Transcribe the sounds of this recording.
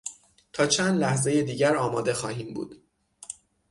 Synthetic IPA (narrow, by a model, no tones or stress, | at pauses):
t̪ʰɒːt͡ʃʰæːnd̪læhze̞jed̪iːɟæɾɒːmɒːd̪e̞xɒːhiːmbṵːd̪̥